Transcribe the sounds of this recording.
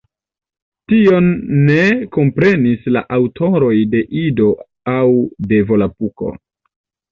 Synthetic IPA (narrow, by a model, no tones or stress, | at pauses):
tio̞nːe̞ko̞mpɾe̞nisla̰ʔawtʰo̞ɾo̞jde̞ʔido̞ | awde̞vo̞lapuko̞̰